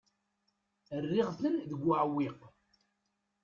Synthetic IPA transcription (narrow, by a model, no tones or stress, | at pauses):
ərːɪʁθəlðəɡʷːəʕwːiq